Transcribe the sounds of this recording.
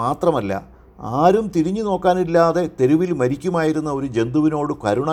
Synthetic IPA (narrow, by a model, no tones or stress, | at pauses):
aːt̪rɐmɐlːɐ̰ | aːɾumt̪iɾiɲːɨno̞ːkːaːnilːaːðe̞t̪e̞ɾuʋilmɐɾikʲːumaːjiɾunːɐo̞ɾud͡ʑe̞nd̪uʋino̞ːɽɨkɐɾuɳɐ